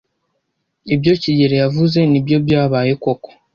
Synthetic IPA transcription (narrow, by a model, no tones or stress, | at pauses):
ibjo̞ciɟe̞ɾejavuze̞nibjo̞bjaːβaːje̞ko̞ko̥